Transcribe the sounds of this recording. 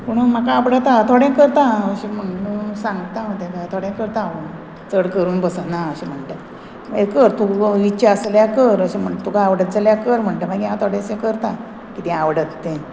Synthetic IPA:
poɽ̃um̤akaːʋɽət̪at̪ʰoɽẽkəɾt̪ãəɕim̤əɳũnsãŋɡt̪ãət̪ẽkat̪ʰoɽẽkəɾt̪ãə | t͡səɽkəɾuːnbəsənaəɕim̤əɳʈe | ekəɾt̪uiɕaəsljakəɾəɕem̤əɳʈt̪ukaːʋɽət̪̚d͡zaljakəɾm̤əɳʈəm̤aɡiɦãt̪ʰoɽẽsẽkəɾt̪a | kit̪ĩaʋɽət̪ːẽ

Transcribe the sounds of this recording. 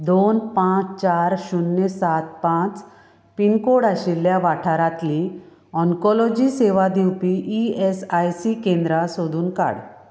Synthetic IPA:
d̪onpãt͡st͡ɕaɾɕunːesat̪̚pãt͡s | pinkoɽaɕilːjaʋaʈʰaɾat̪li | ɔŋkɔlɔd͡ʑiseʋad̪iwpiʔiesajsikẽnd̪ɾasod̪uːnka̰ɽ

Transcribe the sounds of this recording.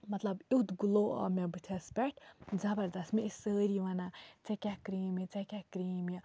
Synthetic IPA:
mɐt̪lɐbit̪ɡuloɔ̰ːmebɨt̪ʰespʲɛʈʰzɐbɐɾd̪ɐsmiisəːɾiʋɐnat͡sekʲakɾiːmit͡sekʲakɾiːmi

